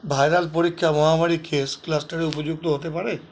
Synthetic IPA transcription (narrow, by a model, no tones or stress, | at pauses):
bʱaːjɾalpoɾɪkʰːjaʋɔɦãmaɽikʰeːsklasʈəɾeʊpəd͡ʒʊɡ̚t̪oɦoːt̪epəɽeː